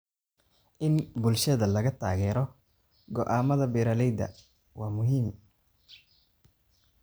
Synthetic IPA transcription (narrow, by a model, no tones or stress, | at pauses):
ʔɪnbʊlʃɐðɐlɐɣɐt̪ʰa̰ːɣɛːɾɔ | ɡɔʔaːmɐðɐbɛːɾɐlɛjd̪ɐ̰ | wɑːmʊɦiːm